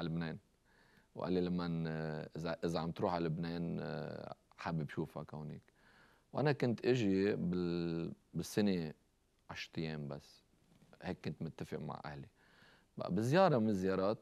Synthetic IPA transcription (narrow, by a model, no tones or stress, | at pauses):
ʕalɪbneːn | wʔa̰lːilamːanʔɪzaʔɪzaʕamt̪ɾuːħʕalɪbneːn | ħabːibʃuːfa̰kawnḭk | wʔanakʊnt̪ʔɪʒibɪ | bɪsːɪne | ʕaʃɾt̪ˤjeːmbasː | heːkːʊnt̪mʊt̪ːafɪʔma̰ʕʔa̰hli | ba̰ʔbɪzjɑːɾˤɑmɪnzːjɑːɾˤɑːt̪